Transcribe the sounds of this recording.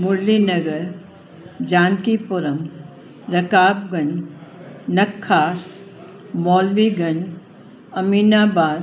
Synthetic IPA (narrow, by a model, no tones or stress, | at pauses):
mʊɾlinɐɡəɾ | d͡ʒaːnkipʊɾəm | ɾɐkaːbɡɐɲ | nɐkʰːaːs | mɔːlʋiɡɐɲ | ɐmiːnaːbaːd̪